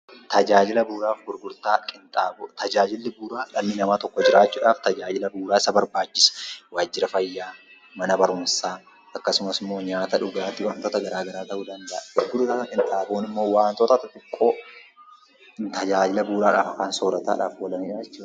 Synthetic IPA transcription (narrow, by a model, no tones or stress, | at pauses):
t̪ɐd͡ʒaːd͡ʒɪlɐbuːɾaːfɡʊɾɡʊɾt̪aːkʼɪnt̪ʼaːbt̪ɐd͡ʒaːd͡ʒɪlːɪbuːɾaːlɐmːɪnɐmaːt̪ɔkːɔd͡ʒɪɾaːt͡ʃːuːᶑaːft̪ɐd͡ʒaːd͡ʒɪlɐbuːɾaːɪsɐbɐɾbaːt͡ʃːɪ̥sɐ̥waːd͡ʒːɪɾɐfɐjːaː | mɐnɐbɐɾuːnsaː | ʔɐkːɐsʊmɐsɪmːo̞ːɲaːt̪ɐᶑʊɡaːt̪ːɪwaːnt̪oːt̪ɐɡɐɾaːɡɐɾaːt̪ɐʔuːd̪ɐnd̪ɐʔɡ̥ʊɾɡʊɾt̪aːkʼɪnt̪ʼaːboːnɪmːo̞ːwaːnt̪ɔːt̪ɐt̪ɐt̪ɪkʼːo̞ː | t̪ɐd͡ʒaːd͡ʒɪlɐbuːɾaːᶑa̰ːfɐkaːnso̞ːɾɐt̪a̰ːᶑa̰ːfwɔlɐniːᶑaːd͡ʒɛt͡ʃːuːᶑɐ